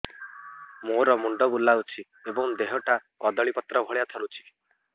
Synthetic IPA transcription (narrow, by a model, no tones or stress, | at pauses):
moɾɔmuɳɖɔbulaut͡ʃʰi | ebɔŋd̪eɦɔʈa | ɔd̪ɔɭipɔt̪ːɾɔbʱɔɭjat̪ʰɔɾut͡ʃʰi̥